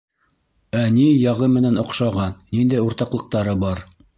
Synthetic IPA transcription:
ænijɑʁɤmɘ̆nænŏqʃɑʁɑnːind̪æjuɾt̪ɑqlˠɤ̆q̚t̪ɑɾɤbɑɾ

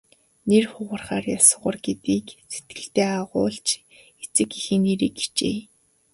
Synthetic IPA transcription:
nerχʊʁə̆rχaːrjasə̆ʁə̆rɡet̪iːkset̪̚ɡɘ̆ɬt̪eːaʁʊːɮt͡ɕ | et͡sɘ̆kixĕniːɾiki̥t͡ɕḛː

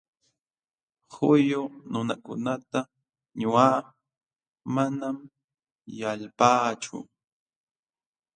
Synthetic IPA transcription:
hʊjʊnʊnakʊnat̪a | ɲʊaː | manam | jalpaːt͡ʃʊ̰

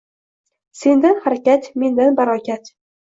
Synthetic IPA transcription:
se̞nd̪anhaɾakʲat̪me̞nd̪anbaɾɒkʲat̪

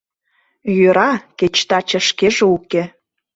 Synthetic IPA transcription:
jøɾɑket͡ɕt̪ɑt͡ɕə̆ʃkeʒeuke

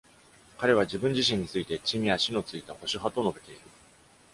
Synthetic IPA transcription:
kaɾe̞β̞ad͡ʑibɯ̟̃ɲ̟d͡ʑiɕ̬ĩɲ̟ːit͡sɨit̪e̞t͡ɕimʲiaɕino̞t͡sɨit̪aho̞ɕiɦat̪ono̞be̞t̪e̞iɾɯ̟

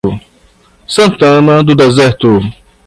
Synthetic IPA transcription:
sɐ̃nt̪ɐ̃nɐd̪ʊd̪ɛzɛɾt̪u

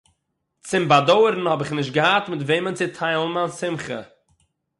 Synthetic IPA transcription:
t͡sɪmbadoʊɾn̩hɔbɪχnɪʃ̬t̚ɡəhatmɪtveɪmənt͡sɪtʰaɪlˠn̩mansɪmχə̰

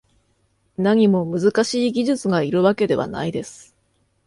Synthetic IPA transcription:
naɲ̟imo̞mɯ̟zɨkaɕiːɡʲiʑɨt͡sɨɡaiɾɯ̟βake̞d̪e̞βa̰na̰id̪e̞sɨ̥

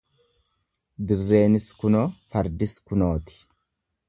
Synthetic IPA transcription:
d̪ɪrːe̞ːnɪskʊnoːfɐɾd̪ɪskʊnoːt̪ɪ̥

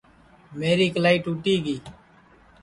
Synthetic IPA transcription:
meːɾiːklaːiːʈuːʈiːɡiː

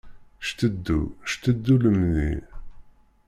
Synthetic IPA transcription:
ʃt̪əd̪ːṵʃt̪əd̪ːuləmnḭ

